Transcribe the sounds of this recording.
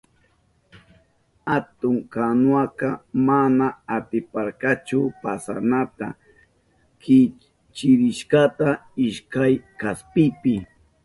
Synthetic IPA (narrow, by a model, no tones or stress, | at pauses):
hat̪ʊŋkanwakɑmanaːt̪ɪpaɾkat͡ʃʊpasanat̪a | kɪ | t͡ʃɪɾɪʃkat̪aɪʃkajkaspɪpɪ